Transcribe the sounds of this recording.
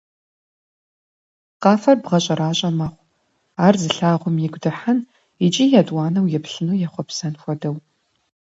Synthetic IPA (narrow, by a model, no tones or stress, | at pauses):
qɑːfɐrbʁɐɕʼɐɾaːɕʼɐmɐχʷ | aːrzɨɬaːʁʷʊmjɪɡʷdɐħan | it͡ʃʼiːjaːdʼwɑːnɐwjɛpɬɨnuːjaχʷɔpsɐnxʷɔdɐw